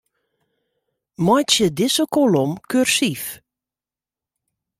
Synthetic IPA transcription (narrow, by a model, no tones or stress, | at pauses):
mɔjtsjədɪsəkolɔmkørsif